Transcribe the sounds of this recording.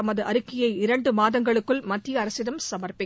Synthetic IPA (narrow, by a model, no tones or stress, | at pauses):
ɐmɐðɯʔɐɾɯkːɪjɐɪɪɾɐɳɖɯmaːðɐŋɡɐɭɯkːɯɭmɐt̪ːɪjɐːɾɐsɪðɐmsɐmɐrpɪ